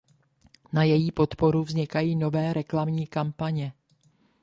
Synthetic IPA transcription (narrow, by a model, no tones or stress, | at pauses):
najɛjiːpo̞t̪po̞ɾuvzɲɪkajiːno̞vɛːɾɛklamɲiːkampaɲɛ